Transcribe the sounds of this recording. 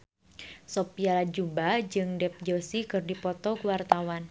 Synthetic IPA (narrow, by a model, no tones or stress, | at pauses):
sɔpialad͡ʒumbad͡ʒɨŋdɛp̚d͡ʒəsikɨrdipɔt̪ɔkuwart̪awan